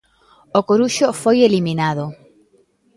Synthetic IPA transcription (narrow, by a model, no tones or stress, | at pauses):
okoɾuʃʊfojeliminaðʊ